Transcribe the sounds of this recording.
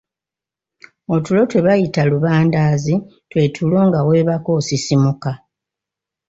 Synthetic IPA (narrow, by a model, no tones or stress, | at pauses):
o̞tulo̞twe̞βajitaluβaːndaːzi | twe̞ːtʰulo̞ːŋɡawe̞ːβako̞ːsisimuka